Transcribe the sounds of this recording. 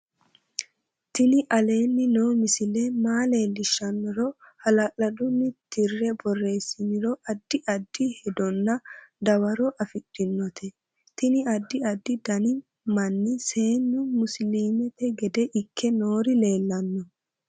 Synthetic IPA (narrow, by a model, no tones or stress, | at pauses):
t̪ɪnɪʔɐle̞ːnːɪnoːmɪsɪlɛmaːle̞ːlːɪʃːɐnːɔɾɔhɐlɐʔɐd̪ʊnːɪt̪ʰɪrːɛbɔrːe̞ːsːɪnɪɾɔʔɐd̪ːɪʔɐd̪ːɪhɛd̪ɔnːɐd̪ɐwɐɾɔʔɐfɪᶑːɪnːɔt̪ʰɛ | t̪ɪnɪɐd̪ːɪɐd̪ːɪd̪ɐnɪ | mɐnːɪse̞ːnːʊmʊsliːmɛt̪ɛɡɛd̪ɛʔɪkʰːɛnoːɾɪle̞ːlːɐnːɔ